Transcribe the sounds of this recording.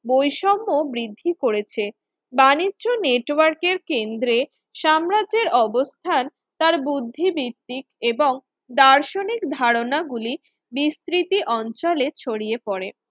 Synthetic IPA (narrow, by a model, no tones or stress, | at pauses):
bojʃɔmːobɾid̪ʱːikoɾet͡ɕʰe | banidːʑoneʈwaɾkeɾkend̪ɾe | ʃamɾad͡ʑeɾɔbost̪ʰan | t̪aɾbud̪ʱːibiɾt̪ːikeboŋ | d̪aɾʃonikd̪ʱaɾonaɡuli | bist̪ɾit̪iʔɔnt͡ɕɔlet͡ɕʰoɽiepɔɾe